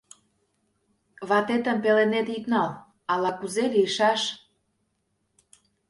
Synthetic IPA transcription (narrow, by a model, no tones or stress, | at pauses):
βɑt̪et̪ə̆mpelenet̪ik̪nɑl | ɑlɑkuzeliəʃɑʃ